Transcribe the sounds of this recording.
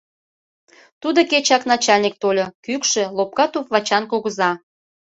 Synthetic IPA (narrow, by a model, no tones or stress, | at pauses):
t̪ud̪oket͡ɕɑknɑt͡ɕɑlʲnʲik̚t̪olʲokykʃĕlop̚kɑt̪upβɑt͡ɕɑnkoɣəzɑ